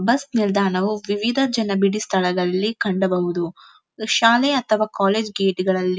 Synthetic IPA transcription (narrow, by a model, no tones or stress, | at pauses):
bɐsnild̪ʱaːɳɐʋuʋiʋid̪ʱɐd͡ʒɐnɐbiɽist̪ʰɐɭɐɡɐlːikɐɳɖɐbɐɦud̪u | ʃaːleɐt̪ʰɐʋaːkaːleːd͡ʒɡeːʈiɡɐɭɐlːi